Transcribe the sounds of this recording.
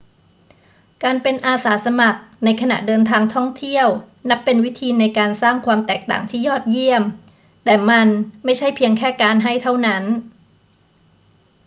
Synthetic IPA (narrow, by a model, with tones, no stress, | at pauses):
kaː˧npe˧nʔaː˧saː˩˦sa˧ma˨˩k̚na˧jkʰa˧na̰˨˩ʔdɤː˧nt̪ʰaː˧ŋt̪ʰɔ˥˩ŋt̪ʰi˥˩əw | na˦˥pːe˧nwi˦˥t̪ʰiː˧na˧jkaː˧nsaː˥˩ŋkʰwaː˧mt̪ɛː˨˩k̚t̪a̰ː˨˩ŋt̪ʰiː˥˩jɔː˥˩t̪̚ji˥˩əm | t̪ɛː˨˩ma˧nma˥˩jt͡ɕʰa˥˩jpʰi˧əŋkʰɛː˥˩kaː˧nɦa˥˩jt̪ʰa˥˩wna˦˥n